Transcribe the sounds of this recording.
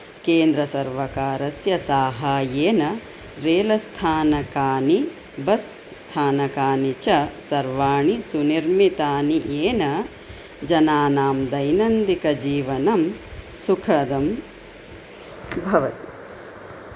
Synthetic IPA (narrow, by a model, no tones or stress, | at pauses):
keːnd̪ɾɐsɐɾʋɐkaːɾɐsjɐsaːɦaːjeːnɐ | ɾeːlɐst̪ʰaːnɐkaːni | bɐsː | t̪ʰaːnɐkaːnit͡ʃɐsɐɾʋaːɳisuniɾmit̪aːniʔeːnɐ | d͡ʒɐnaːnaːmd̪ɐjnɐnd̪ikɐd͡ʒiːʋɐnɐm | sukʰɐd̪ɐm | bʱɐʋɐt̪i